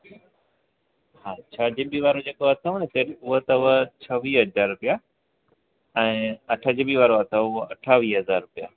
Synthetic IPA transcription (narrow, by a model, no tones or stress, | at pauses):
ɦaːt͡ɕʰaːd͡ʑɪbiʋaːɾod͡ʑeːkoɐt̪ʰəɦnet̪eɾʊɦət̪ɐʊʋət͡ɕʰɐʋiːɦɐzaːɾɾʊpija | ɛ̃ːɐʈʰəd͡ʑɪbiʋaːɾoɐt̪ʰɐʊɐʈʰaːʋiːɦɐzaːɾɾʊpijaː